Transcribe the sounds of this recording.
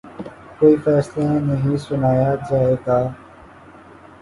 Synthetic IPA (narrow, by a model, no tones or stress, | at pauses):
koːiːfɛːslenəɦĩːsʊnaːjaːd͡ʒaːeːɡaː